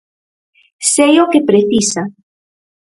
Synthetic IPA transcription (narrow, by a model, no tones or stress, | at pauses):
sejokepɾeθisa